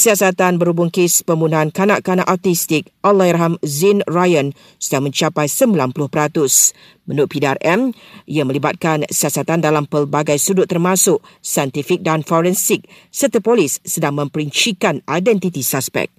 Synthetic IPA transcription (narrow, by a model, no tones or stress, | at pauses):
siasat̪anbəɾubʊŋkespəmbunaankanaʔkanãʔat̪ist̪ɪk̚ʔɔlaiɾɦamzinrajən | sədaŋmə̃ɲt͡ʃapajsəmbilanpulʊhpəɾat̪ʊs | mə̃nʊt̪̚pida̰rʔɛmiamə̃libat̪̚kansiasat̪andalampəlbaɡajsudʊt̪ːərmãsʊʔ | sajɛnt̪ifik̚danfɔɾɛnsik̚ | sərt̪əpolisːədaŋmə̃mpəɾiɲt͡ʃikanajdɛnt̪it̪isaspɛ̰k̚